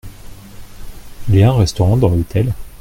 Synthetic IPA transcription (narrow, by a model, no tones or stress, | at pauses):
iljaɛ̃ʁɛst̪ɔʁɑ̃d̪ɑ̃lot̪ʰɛl